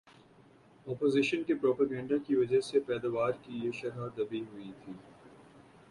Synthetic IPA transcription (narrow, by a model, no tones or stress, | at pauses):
ɔːpoːzɪʃənkepɾɔːpɐɡɛ̃ːɳɖakiʋɐd͡ʒəɦsepɛːd̪aːʋaːɾkijeʃɐɾɦaːd̪ɐbiɦʊit̪ʰiː